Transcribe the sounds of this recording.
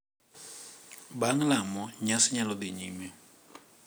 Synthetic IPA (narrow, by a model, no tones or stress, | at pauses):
baŋlamɔɲasɪɲalɔd̪iɲimɛ